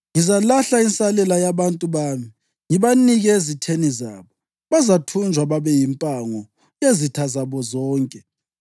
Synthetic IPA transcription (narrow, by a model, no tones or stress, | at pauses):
ŋizalaɬainsalɛlajaβantʼuβaːmi | ŋiβaniɣɛezitʰenizaːβɔ | βazatʰund͡ʒʱwaβaβɛjimpʼaŋɔ | jezitʰazaβɔzɔːŋkʼɛ